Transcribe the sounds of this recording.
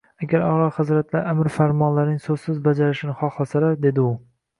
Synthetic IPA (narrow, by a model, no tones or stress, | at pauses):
aɡʲaɾɒɾɒχɨzɾat̪laɾʔamɪɾfaɾmɒnlaɾnɪŋsoz̥sɪzbad͡ʒaɾɪʃɪnɪχɒχlasalaɾd̪e̞d̪ɪʊ